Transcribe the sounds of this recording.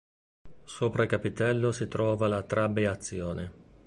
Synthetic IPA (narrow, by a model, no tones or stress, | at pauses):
soːpɾaikapit̪ɛlːosit̪ɾɔːvalat̪ɾabːeat̪sːjɔːne